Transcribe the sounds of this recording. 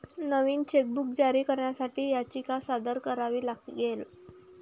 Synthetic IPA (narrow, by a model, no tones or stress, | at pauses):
nəʋiːnt͡ɕek̚buk̚d͡ʑaɾiːkəɾɳjasaʈiːjat͡ɕiːkasad̪əɾkəɾaʋiːlaɡɡel